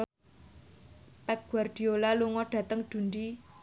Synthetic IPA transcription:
pɛp̚ɡ̥uard̪̥i̤olaluŋɔɖ̥ä̤t̪əŋd̪̥ṳnd͡ʒi

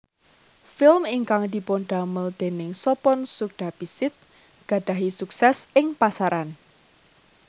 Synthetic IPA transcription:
fɪlmiŋkaŋd̪̥i̤ponɖ̪̥aməld̪̥e̤nɪŋsɔpɔnsuk̚d̪̥ab̥isɪt̪̚ | ɡ̥a̤ɖ̥ä̤ɦisuksɛsɪŋpasaɾan

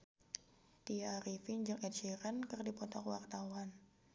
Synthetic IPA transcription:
t̪iaɾifiɲd͡ʒɨŋɛt̪̚d͡ʒeɾənkɨrdipɔt̪ɔkwart̪awan

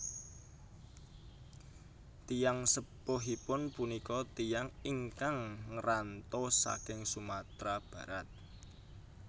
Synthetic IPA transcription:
t̪ijaŋsəpoɦipʊnpunikɔt̪ijaŋiŋkaŋŋəɾant̪osa̰kɪŋsumat̪ɾab̥ä̤ɾat̪̚

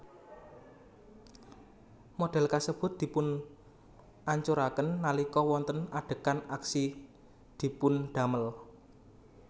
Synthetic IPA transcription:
moɖ̥ɛ̤lkasəb̥ʊ̤t̪̚d̪̥i̤pʊn | ʔaɲt͡ʃuɾakənːalikɔwɔnt̪ənaɖ̥ə̤kanaksi | d̪̥i̤pʊnɖ̪̥ä̤məl

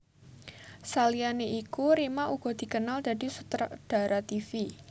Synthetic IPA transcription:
salianeʔikuɾimaʔuɡ̥ɔ̤d̥̪i̤kənalda̤disut̪ɾad̥a̤ɾʔat̪ifi

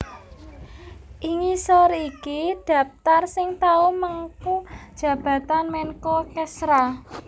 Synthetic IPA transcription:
ʔiŋisɔɾikiɖ̥ä̤p̚t̪arsɪŋt̪aumaŋkud̥ʒ̥ä̤b̥a̤t̪anmɛnkɔkɛsɾa

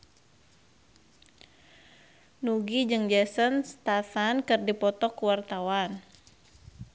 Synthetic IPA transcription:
nuɡid͡ʒɨŋd͡ʒɛsənst̪atankɨrdipɔt̪ɔkuwart̪awan

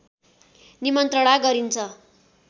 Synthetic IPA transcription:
nimʌnt̪rʌɽ̃aɡʌɾint͡sʰʌ

